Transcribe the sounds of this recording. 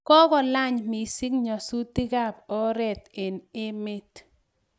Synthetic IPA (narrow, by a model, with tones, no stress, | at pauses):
kɔ˦kɔ˨la˦˨ɲmi˨sɪ˦kɲɔ˨su˦ti˦ka˦˨p̚ɔ˦ɾɛ˦˨t̪ɪ˨nɪ˦mɪ˦t